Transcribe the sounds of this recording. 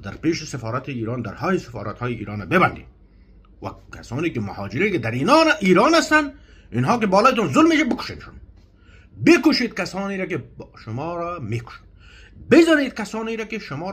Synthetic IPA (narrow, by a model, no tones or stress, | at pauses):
d̪aɾpeːʃɪsɪfɔːɾat̪iiːɾɑːnd̪aɾhɔːjisɪfɑ̰ːɾat̪hɔːjiḭːɾɔːnabɪband̪ḭː | wa̰kʰasɔːnikɪmʊhɔːd͡ʒɪɾikɪd̪aɾinɔːnaʔiːɾɔːnast̪an | inɦɔːkɪbɔːlɔːjt̪̬ɔnzʊlmːeːʃabɪkʊ̥ʃeːmʃʊn | bɪkʊʃid̪̚kasɔːniɾakɪʃʊmɔːɾamekʊ̥ʃi̥d̪ | bɪzɔniːd̪kasɑːniɾakɪʃʊmɔː